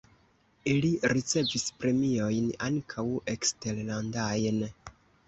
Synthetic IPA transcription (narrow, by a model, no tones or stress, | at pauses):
iliɾit͡se̞vispɾe̞mio̞jnaŋkʰawe̞kste̞ɾlandajn